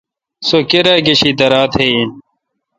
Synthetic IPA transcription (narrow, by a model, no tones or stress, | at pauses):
sokeɾaɡeɕid̪ɐɾaːt̪ʰei